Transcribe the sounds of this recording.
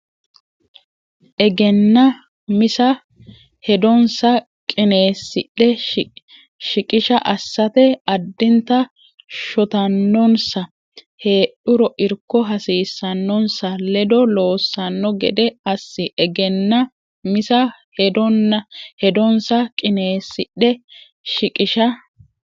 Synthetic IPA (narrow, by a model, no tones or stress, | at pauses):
ʔɛɡɛnːɐ | mɪsɐ | hɛd̪ɔnsɐ | kʼɪne̞ːsːɪɗɛ | ʃɪkʼɪʃɐʔɐsːɐt̪ɛɐd̪ːɪnt̪ɐ | ʃɔt̪ɐnːɔnsɐ | he̞ːɗʊɾɔʔɪɾkːɔɦɐsiːsːɐnːɔnsɐlɛd̪ɔlo̞ːsːɐnːɔɡɛ̰d̪ɛɐsːɪʔɛɡɛnːɐ | mɪsɐhɛd̪ɔnːɐhɛd̪ɔnsɐkʼɪne̞ːsːɪɗɛ | ʃɪkʼɪʃɐ